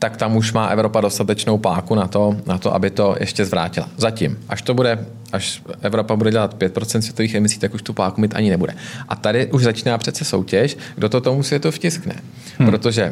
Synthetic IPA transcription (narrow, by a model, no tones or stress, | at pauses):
t̪akt̪amuʃmaːʔɛvɾo̞pado̞st̪at̪ɛt͡ʃno̞wpaːkunat̪o̞nat̪oʔa̰bɪt̪o̞jɛ̰ʃcɛzvɾa̰ːcɪla̰zacɪmʔaʃt̪o̞budɛ | ʔaʃʔɛvɾo̞pabudɛɟɛlat̪pjɛt̪̚pɾott͡sɛnsvjɛt̪oviːxɛmɪsiːt̪akuʃt̪upaːkumɪt̪ʔa̰ɲɪnɛbudɛ̰ʔa̰t̪adɪʔuʒzat͡ʃiːnaːpr̥ɛt̪t͡sɛso̞̰wcɛʃ | ɡdo̞t̪ot̪o̞musvjɛt̪ufcɪsknɛ̰ | pɾot̪o̞ʒɛ